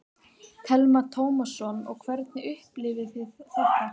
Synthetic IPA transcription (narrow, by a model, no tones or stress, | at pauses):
k̪ʰɛlmat̪ʰoːwmasɔnɔ̰ɣkʰvɛɾt̪nɪʏhplɪvɪθɪðθɛht̪ːa